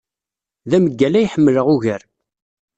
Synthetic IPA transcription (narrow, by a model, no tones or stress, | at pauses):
ðæməɡːælæjħəmːələʁʊʝəɾ